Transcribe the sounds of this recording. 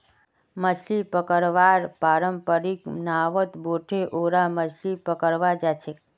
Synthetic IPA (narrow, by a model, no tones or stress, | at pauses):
məd͡ʒlipəkəɾʋaɾpaɾəmpəɾiknaʋət̪boʈʰeʔoɾaməd͡ʒlipəkəɾʋad͡ʒat͡ʃʰe